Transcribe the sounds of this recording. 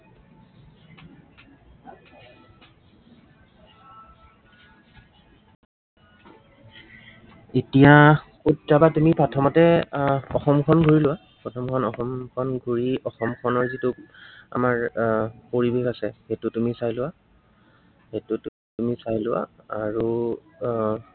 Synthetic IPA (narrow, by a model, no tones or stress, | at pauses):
etija | utɹabatumipɹatʰɔmɔtɛɔ̰xɔmkʰɔnɡʱuɹilʊwa | pɹɔtʰɔmkʰɔnɔxɔmkʰɔnɡʱuɹiɔxɔmkʰɔnɔɹzitua̰maɹpoɹibexasɛhetʊtumisajlʊwa | hetʊt | tumisajlʊwa̰aɹu